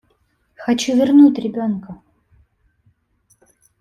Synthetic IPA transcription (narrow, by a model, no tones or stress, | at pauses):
xɐt͡ɕuvʲɪrnut̪ʲɾʲɪbʲonkə